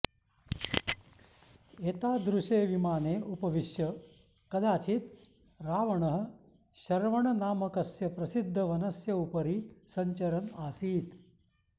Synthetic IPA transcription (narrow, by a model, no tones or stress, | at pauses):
eːt̪aːd̪ɾuʃeːʋimaːneːʔupɐʋiʃjɐ | kɐd̪aːt͡ʃit̪ | ɾaːʋɐɳɐɦɐ̆ | ʃɐɾʋɐɳɐnaːmɐkɐsjɐpɾɐsid̪ʱːɐʋɐnɐsjɐupɐɾisɐɲt͡ʃɐɾɐnaːsiːt̪